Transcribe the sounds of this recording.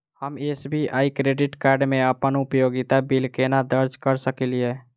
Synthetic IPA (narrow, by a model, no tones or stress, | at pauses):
həmesbʱiʔaikɾeɖiʈkaɾɖmeəpənupjoɡit̪abilkenad̪əɾd͡ʒkəɾsəkiliɛ